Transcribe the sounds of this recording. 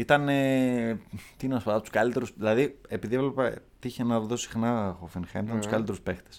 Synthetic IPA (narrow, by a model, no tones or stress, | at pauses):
it̪ɐne | t̪ineɐspɐd̪ɐt̪u̥skɐlit̪e̞ɾusðilɐðiepiðievlepe | t̪iiçenɐðosi̥xnɐxofinxɐ̰nit̪ɐnt̪ukɐlit̪e̞ɾuspext̪e̥s